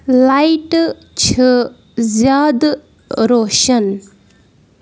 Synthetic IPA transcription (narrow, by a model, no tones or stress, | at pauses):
lajʈ | t͡ʃʰə | zjad̪ | ɾoʃɐn